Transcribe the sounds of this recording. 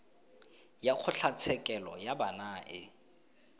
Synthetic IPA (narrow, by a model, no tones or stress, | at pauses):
jak͡xʰʊɬat͡sʰɛkʼɛlɔjabanaʔɪ̰